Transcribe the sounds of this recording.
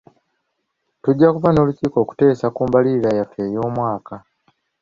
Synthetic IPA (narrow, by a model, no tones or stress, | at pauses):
tuɟːakuvano̞ːluciːko̞ːku̥te̞ːsakuːmbaliiɾajafe̞ːjo̞ːmwaːka